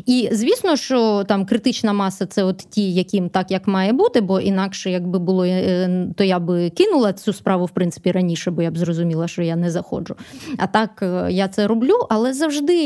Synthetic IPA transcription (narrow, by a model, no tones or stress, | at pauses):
izʲʋʲisnɔʃt͡ʃɔt̪ɑmkɾɪt̪ɪt͡ʃnɐmɑsɐt̪sɛɔt̪tʲijɐkʲimt̪ɑkjɐkmɑjɛbut̪ɪbɔʔin̪ɑkʃɛjɐɡ̚bɪbʊlˠɔt̪ɔjabɪkɪnʊlˠɐt͡sʲuspɾɑʋʊwpɾɪnt̪sɪ̥pʲiɾɐnʲiʃɛbɔjabzrɔzʊmʲilˠɐʃt͡ʃɔjanɛzɐxɔ̰d͡ʒʊɐ̰t̪ɑkjat̪sɛɾɔblʲuʔɐlˠɛzɐwʒd̪ɪ